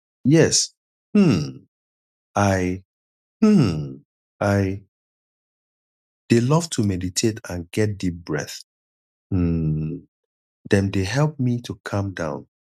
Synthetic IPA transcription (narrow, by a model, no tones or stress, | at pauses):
jɛs | hm̩ | aɪ | hm̩ | aɪ | d̥elʌv̥tʰumɛditʰetʰãnɡɛt̚dip̚bɹɛ̰θ | m̩ | dɛ̃ndeɦɛlˠp̚mitʰukʰʌ̃mdã̰ʊ̃n